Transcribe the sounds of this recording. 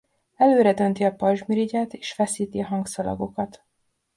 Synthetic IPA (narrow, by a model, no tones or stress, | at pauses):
ɛløːɾɛd̪ø̞nt̪iɒpɒʒmiɾiɟaːt̪e̥ːʃfɛsiːt̪iɒɦɒŋɡsɒlɒ̰ɡo̞kɒt̪